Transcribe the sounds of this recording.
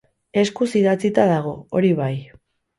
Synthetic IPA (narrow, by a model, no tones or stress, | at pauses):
e̞skusiðat͡sit̪aðaɣ̞o̞oɾiβ̞aj